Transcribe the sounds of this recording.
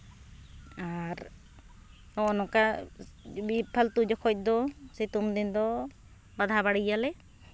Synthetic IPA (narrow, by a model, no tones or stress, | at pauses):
aɾ | ɔʔnɔka | bipʰalt̪ud͡ʒɔkʰɔc̚ˀd̪ɔsit̪umd̪ind̪ɔ | bad̪ʱabaɽijalɛ